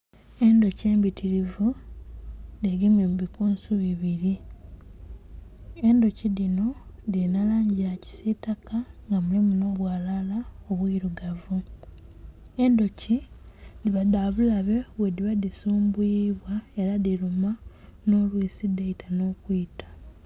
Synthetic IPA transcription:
e̞ndo̞ce̞ːmbitʰiɾivu | deɡememuβikuːnsuβiβiɾi | e̞ndo̞ciðino̞dinalaːɲɟiaci̥sitakaŋɡamulimuno̞ːβwaːlalaoβwiːɾuɡavu | endo̞cidiβadaβulaβe̞βwediβadisuːmbuiβwaeɾaðiɾumano̞lwiːsideitano̞ːkwitḁ

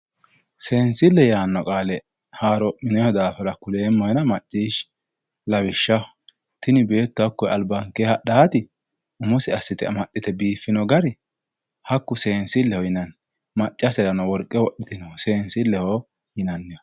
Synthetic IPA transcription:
se̞ːnsɪlːɛjaːnːɔkʼaːlɛ | haːɾɔʔɪnɛhɔd̪aːfɐɾɐkʊle̞ːmːɔjɛnɐmɐt͡ʃʼːiːʃ | lɐβɪʃːɐ | t̪ɪnɪbe̞ːt̪ːʊɐkːɔjɐlbɐŋkehɐɗaːt̪ɪ | ʊmʊsɪɐsːɪt̪ɪɐmɐɗːɪt̪ɛbiːfːɪnɔɡɐɾɪ | hɐkːʊse̞ːnsɪlːɛhɔjɪnɐn | mɐt͡ʃʼːɐsɛɾɐnɔwɔɾkʼːɛwɔɗɪt̪ɪnɔse̞ːnsɪlːɛhɔ | jɪnɐnːɪjɔ

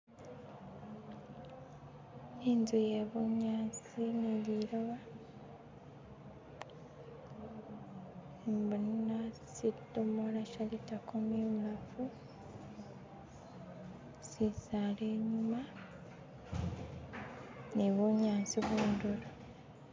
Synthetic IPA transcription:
niːnzujeβuɲaːnt͡siniliɾoβa | embunasidumolaʃalitakumiβulafu | sisaleːɲuma | niβuɲaːnt͡siβuːndulo

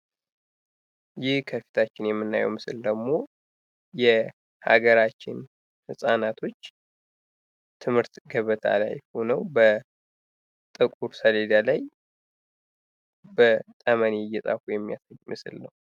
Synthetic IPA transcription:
jɪhkʰəfi̥t̪ʰat͡ʃːɪnjɛmːɨnːa̰jɛ̰wmɨsɨld̪əɡmo̞ | jɛ | ha̰ɡəɾat͡ʃːɪ̰n | hɨsʼanat̪ʰo̞t͡ʃː | t̪ʰɨmhɨɾt̪ɡəβət̪ʰa̰la̰jho̞nəwbə | t̪ʼɨkʼuɾsəled̪alaj | bət̪ʼəmənɛjɛsʼa̰kujɛmːija̰səjmɨsɨlnəw

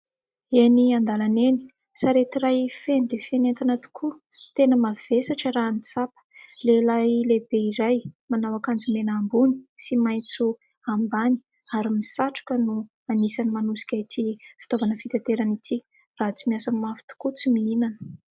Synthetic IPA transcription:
eniand̪alaneni̥ | saɾet̪irajfend̪efenent̪anat̪u̥kʰut̪enəmav̥esaʈ͡ʂəɾanit͡sapə̥lelajlebeiɾajmanawakand͡zumenambuni̥simajt͡su | ambani̥ | aɾimisaʈ͡ʂu̥kənu | anisanimanusi̥kʲait̪ʰifi̥t̪ovanəfit̪et̪eɾanit̪ʰi | raɦt͡simiasəmafi̥t̪u̥kut͡simiinanə̥

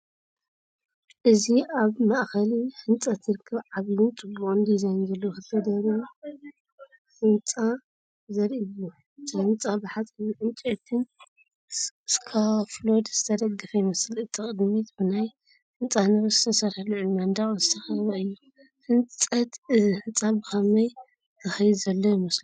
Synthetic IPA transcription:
ʔɨziaβmaʔxɐliħɨnt͡sʼɐt̪ʰɨɾɨkʰːɐβʕaɡlut͡sʼɨbːukʼɨnd̪izajnzɐlːokɨfɐd̪ɐɾu | ħɨnt͡sʼa | zɐɾʔɨjːu | t̪ʰɨħɨnt͡sʼabɨħat͡sʼiʕɨnt͡ʃʼet̪ʰɨn | skʰaflod̪z̥ɨt̪ʰɐd̪ɐɡːɨfɐjmɐslɨt̪ʰikʼɨd̪mit̪bɨnaj | ħɨnt͡sʼanɨβɐzɨt̪ʰɐsɐɾhaluʕunmɐnd̪aχʼzɨt̪ʰɐxɐβɐɨjːu | ħɨnt͡sʼɐt̪ɨzihɨnt͡sʼabɨkɐmɐj | zʰɨxɐjd̪zɐlːojmɐslu

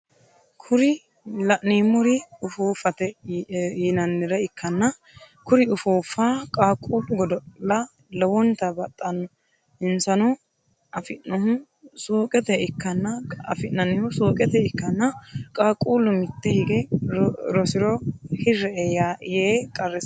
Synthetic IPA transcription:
kʰʊɾɪ | lɐʔniːmːɔɾɪʊfuːfɐt̪ɛjɪnɐnːɪɾɐɪkʰːɐnːɐ | kʊɾɪʊfuːfaːkʼaːkʼuːlːʊɡɔd̪ɔlɐ | lɔwɔnt̪ɐbɐt̪ʼːɐnːɔ | ɪnsɐnɔ | ɐfɪnːɔhʊ | suːkʼɛt̪ɛɪkːɐnːɐɐ̰fɪnːɐnːɪhʊsuːkʼɛt̪ɛɪkːɐnːɐkʼaːkʼuːlːʊmɪt̪ːɛhɪɡɛ | ɾɔsɪɾɔhɪrːɛɛjajeːkʼɐɾːɛ

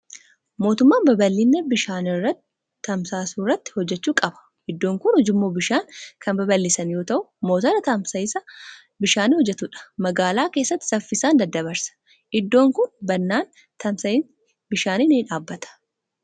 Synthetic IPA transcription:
mo̞ːt̪ʊmːaːnbɐbɐlːɪnːɐbɪʃaːnɪrːɐt̪ː | ɐmsaːsuːrːɐt̪ːɪ̥hɔd͡ʒːɛt͡ʃːuːkʼɐbɐ̥ | ʔɪd̪ːo̞ːŋkʊnhɔd͡ʒɪmːoːbɪʃaːŋkɐmbɐbɐlːɪsɐnjo̞ːt̪ɐʔʊmo̞ːt̪ɐɾɐt̪ɐmsɐɪsɐ | bɪʃaːniːhɔd͡ʒːɛt̪ʊᶑɐ̥mɐɡaːlaːkeːsːɐt̪ːɪ̥sɐfːɪsaːnd̪ɐd̪ːɐbɐɾsɐ̥ | ʔɪd̪ːo̞ːŋkʊnbɐnːaːn | t̪ɐmsɐn | bɪʃaːniːniːᶑaːbːɐt̪ɐ̥

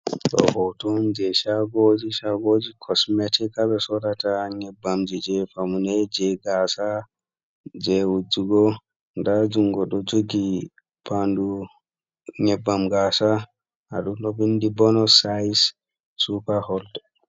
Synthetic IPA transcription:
ɗɔ̰hɔwtund͡ʒɛʃaɡod͡ʒiʃaɡod͡ʒikʰɔsmɛtɛkabɛsɔɾataɲɛbːamd͡ʒid͡ʒɛfamunɛd͡ʒɛɡasa | d͡ʒɛwud͡ʒːuɡɔ | ndad͡ʒuŋɡɔɗɔd͡ʒoɡi | pʰandu | ɲɛbːamɡasa | aɗumɗɔbindibɔnɔsajs | supahɔld

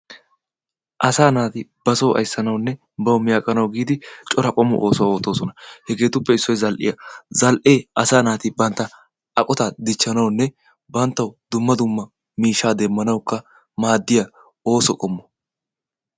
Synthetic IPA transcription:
ʔɐsaːnaːt̪ɪb̥ɐsoːʔɐ̰jsːɐnɐwnːɛ | bɐwʊmɪjakʼɐnɐwɡiːd̪ɪt͡ʃʼɔɾɐkʼɔmʊ̰ʔoːsɔwoːt̪ːo̞ːsɔnɐhɛɡe̞ːt̪ʊpːɛɪsːɔjzɐlʔɪ̰jɐzɐlʔeːʔɐsaːnaːt̪ɪbɐnt̪ːɐ | ʔɐkʼɔt̪ad̪ɪt͡ʃːɐnɐwnːɛ | bɐnt̪ːɐwʊd̪ʊmːɐd̪ʊmːɐ | miːʃːaːd̪ɛmːɐnɐwkːɐ | maːd̪ːɪjɐ | oːsɔkʼɔmːɔ̥

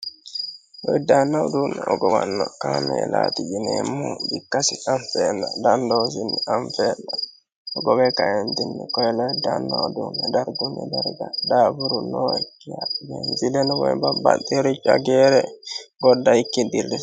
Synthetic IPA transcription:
lɔjdanːawdunaʔɔɡɔwanːɔkanɔɛ̰lat̪id͡ʒinɛmubikːasiʔaɱfɛnːadandɔzinːiʔaɱfɛna | ɔɡɔbɛkajandinːikɔjɛlɔdanːa̰wdunadaɾɡunɛlɛɾɡadabuɾunɔkːijajɛnd͡ʒilɛnɔwɔɛbabantɛɾid͡ʒaɡɛɾɛɡɔdːaikːidildɛ

